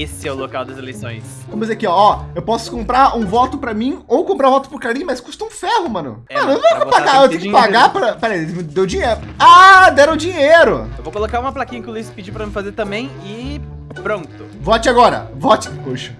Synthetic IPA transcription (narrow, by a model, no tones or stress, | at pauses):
esɪɛʊlokawd̪ɐzelejsõ̰j̃skomʊseɐkeɔɔewpɔsʊ̥kõmpɾaɾũvɔt̪ʊpɾɐmĩowkõmpɾaɾ̃vɔt̪ʊ̥pʊɾkaɾĩmɐskust̪ɐũfɛhʊmɐ̃nʊ̰mɐ̃nʊ̃okpaɡaewt̪ẽjkɪɪpaɡapɾɐpɛɾej̪d̪ewd͡ʒĩɲeɾʊad̪ɛɾʊ̃d͡ʒĩɲeɾʊewvokolokaũmɐplakĩɲɐkɪʊluisɪ̥pid͡ʒipɾɐmɪfazeɾt̪ɐ̃mbẽj̃ɪ | pɾõnt̪ʊ̥vɔt͡ʃɪaɡɔɾɐ̰vɔt͡ʃɪ̥poʃɐ̥